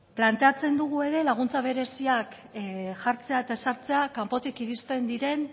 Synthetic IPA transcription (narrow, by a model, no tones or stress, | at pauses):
plant̪e̞at͡se̞nd̪uɣ̞ue̞ɾe̞laɣ̞unt͡saβ̞e̞ɾe̞siak | ʝaɾt͡se̞aet̪aesaɾt͡se̞akampo̞t̪ikiɾist̪e̞nd̪iɾe̞n